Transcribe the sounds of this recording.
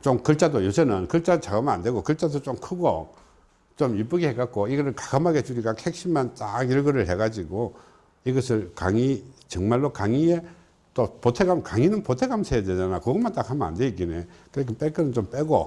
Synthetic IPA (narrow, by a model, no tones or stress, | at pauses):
t͡ɕomkɯɭt͡ɕ͈adojosʰenɯnkɯɭt͡ɕ͈adt͡ɕaɡamɯnande̞ɡokɯɭt͡ɕ͈adot͡ɕomkʰɯɡo | t͡ɕomip͈ɯɡiheɡat̚k͈oiɡʌɾɯɭkḁkʰamaɡet͡ɕuɾiɡakʰhek̚ɕ͈ʰimant͈aɡjiɭɡɯɾɯɭheɡad͡ʑiɡo | iɡʌsʰɯɭkaŋit͡ɕʌŋmaɭːokaŋie | t͈opotʰeɡamkaŋinɯnpotʰe̞ɡamsʰeeded͡ʑanakɯɡʌmant͈akʰaməna̰ndeikinekɯɾekʰep͈ek͈ɯnɯnt͡ɕomp͈eɡo